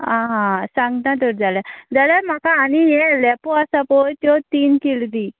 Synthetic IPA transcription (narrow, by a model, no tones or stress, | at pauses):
ãɦãsãŋɡnat̪ɔɾd͡zaljad͡zaljaɾm̤akaːniɦẽlɛpoasapojt̪jɔt̪iːnkild̪i